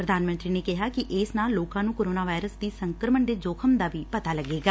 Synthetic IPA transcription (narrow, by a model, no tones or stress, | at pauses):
ɾəd̪aːnmənt̪ɾiːneːkɪɦaːkɪʔeːsnaːlːoːkãːnũːkoːɾoːnaːʋaːɪɾəsd̪iːsəŋkəɾəməɳɖ̪eːd͡ʒoːkʰəmd̪aːʋiːpət̪aːləɡeːɡaː